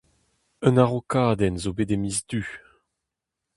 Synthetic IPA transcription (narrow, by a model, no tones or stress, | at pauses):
œ̃naʁokaːd̪ɛnzobedemizdy